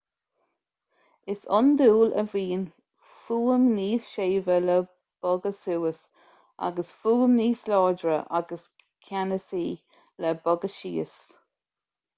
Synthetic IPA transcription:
ɪsɔnd̪uːlə̰viːn | fuːəmniːsʃeːvələ | b̥ɔɡəsuːəs | ʔa̰ɡəsfuːəmniːslɑːɹdɹəʔaɡəs | kʰanəsiː | lɛbɔɡəʃḭːəs

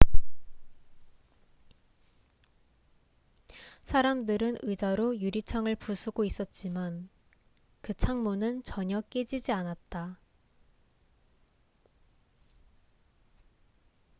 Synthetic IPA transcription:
sʰaɾamdɯɾɯnɯd͡ʑaɾojuɾit͡ɕʰaŋɯɭpusʰuɡois͈ʌt̚t͡ɕ͈iman | kɯt͡ɕʰaŋmonɯnt͡ɕʌɲʌk͈ed͡ʑid͡ʑianat̚t͈a

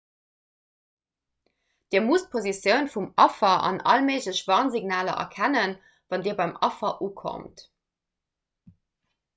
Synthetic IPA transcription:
d̥iːɐmust̚pʰozisjəʊnfumɑfɐʔɑ̰nʔɑ̰lmeɪʑləɕvɑːnziɡnaːlɐ̰ʔɐ̰kʰænən | vɑndiːɐbɑɪmʔɑfɐʔuːkʰo̰mt

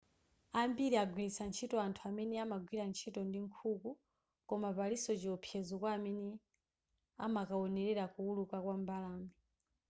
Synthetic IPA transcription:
ambiɾiaɡwiɾisant͡ʃʰitɔantʰuamɛnɛamaɡwiɾant͡ʃʰitɔndiŋkʰuku | kɔmapalisɔt͡ʃiɔpʰjɛzɔkwaːmɛnɛ | a̰makaɔnɛɾɛɾakuulukakwambalaːmi

